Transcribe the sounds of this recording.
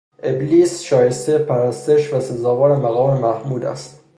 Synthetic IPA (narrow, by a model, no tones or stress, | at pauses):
ʔebliːsʃɒːjest̪epʰæɾæst̪e̞ʃvæse̞zɒːvɒːɾemæɣɒːmemæhmuːd̪æ̰st̪